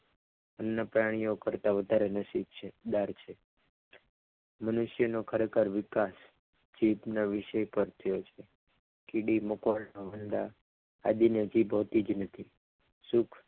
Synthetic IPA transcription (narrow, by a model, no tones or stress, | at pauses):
ənːapɾaɽ̃ijokəɾt̪aʋəd̪ʱaɾenəsip̚t͡ʃʰed̪aɾt͡ʃʰe | mənʊʃjənokʰəɾekʰəɾʋɪkas | d͡ʒibnaʋɪʃəjpəɾt̪ʰəjot͡ʃʰe | kiɽimokʋaɭnoɦənd̪aː | d̪ined͡ʒibɦot̪id͡ʒnət̪ʰi | sukʰ